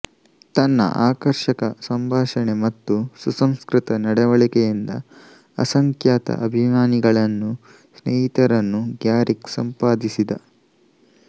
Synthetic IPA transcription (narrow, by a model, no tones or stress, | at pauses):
t̪ɐnːɐ̰ʔaːkɐɾʃɐkɐsɐmbʱaːʃɐɳemɐt̪ːususɐmskɾit̪ɐnɐɽɛʋɐɭikɛjind̪ɐ̰ | ɐ̰sɐŋkʰjaːt̪ɐ̰ʔɐbʱimaːniɡɐɭɐnːu | snejit̪ɐɾɐnːuɡjaːɾʔiksɐmpaːd̪isid̪ɐ̰